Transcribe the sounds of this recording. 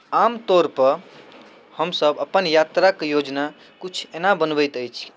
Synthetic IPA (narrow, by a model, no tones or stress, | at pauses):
amt̪oɾpəɾ | həmsəbəpənjat̪ɾakejod͡ʒna | kut͡ʃʰenabənbəjt̪əjt͡ʃʰ